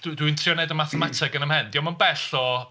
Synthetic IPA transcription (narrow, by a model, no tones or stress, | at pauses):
d̥dwintʰrjɔnɛdəmaθɛmatʰɪɡənəmhɛndiɔmanbɛɬɔ